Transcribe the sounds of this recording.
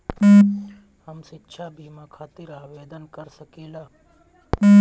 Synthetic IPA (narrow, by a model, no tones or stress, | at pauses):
həmsɪtːʃʰabʱiːmãkʰaːt̪ɪɾaːʋeːd̪ənkəɾsəkeːlaː